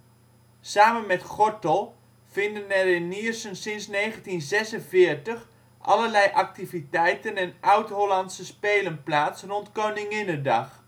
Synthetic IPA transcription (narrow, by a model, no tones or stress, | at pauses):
saːmənmɛtχɔɹtəlˠ | fɪndənɛrɪnːiərsənsɪnsneːχəntinzɛsənfɪəɹtəx | ʔɑ̰ləlɛjʔak̚tivitɛjtənɛnʔawtɦolantsəspeːlənplaːtsrɔntkownɪŋɪnədɑ̰x